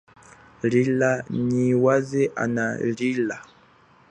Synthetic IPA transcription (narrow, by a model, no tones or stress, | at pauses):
lilaɲiwazɛʔa̰nalila